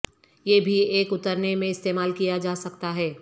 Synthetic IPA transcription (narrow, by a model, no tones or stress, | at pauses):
jeːbʱieːkʊt̪əɾnemẽɪst̪eːmaːlkijad͡ʒaːsɐkt̪aɦɛː